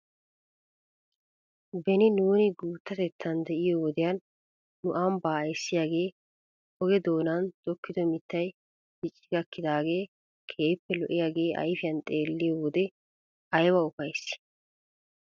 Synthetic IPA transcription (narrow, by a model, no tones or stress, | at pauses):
bɛnɪnuːnɪɡuːt̪ːɐt̪ɛt̪ʰːɐnd̪ɛʔɪjɔwɔd̪ɛjɐnː | ʊʔaːmbaːjsːɪjaːɡe̞ː | hɔɡɛd̪o̞ːnɐnd̪̥ɔkːɪd̪ɔmɪt̪ːɐj | bɪt͡ʃʼːɪɡɐkːɪd̪aːɡe̞ː | kʰe̞ːpːɛlɔʔɪjaːɡe̞ːʔɐ̰jfɪjɐnt̪ʼe̞ːlːɪjɔwɔd̪ɛ | ɐjwɐʊpɐjs